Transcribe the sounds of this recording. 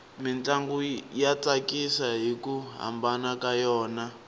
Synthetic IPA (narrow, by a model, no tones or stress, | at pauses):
mint͡ɬaŋɡujat͡sakisaɦikuɦa̰mbanakajɔːna